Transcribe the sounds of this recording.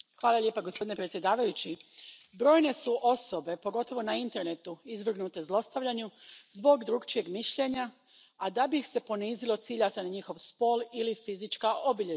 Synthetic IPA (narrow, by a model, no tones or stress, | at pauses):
xʋaːlˠalʲʎe̞paɡospo̞d̪inepɾe̞t̪sjed̪aːʋajut͡ɕibɾo̞ːjne̞suʔo̞so̞be̞po̞ɡo̞t̪o̞ʋo̞naint̪e̞ɾne̞t̪uizʋr̩ɣnut̪e̞zlˠo̞st̪aʋʎaɲuzbo̞ɡd̪ɾuːɡt͡ʃije̞ɡmiʃʎe̞ɲa | ad̪abixse̞po̞niːzilo̞t̪siːʎasenaɲixo̞ʋspo̞ːlˠilifizit͡ʃkaʔobiʎe